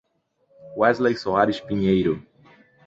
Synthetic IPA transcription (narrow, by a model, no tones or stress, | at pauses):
wɛzlejsoaɾɪʃpiɲejɾʊ